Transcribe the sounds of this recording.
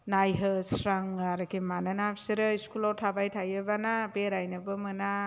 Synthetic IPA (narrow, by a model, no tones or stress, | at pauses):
najɦɯsɾaŋaɾɯkʰimananapsiɾɯiskulɔɾtʰabajtʰajɯbanabeɾajnɯbɯmɯna